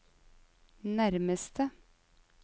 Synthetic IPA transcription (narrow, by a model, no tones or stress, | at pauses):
næɾməst̪ə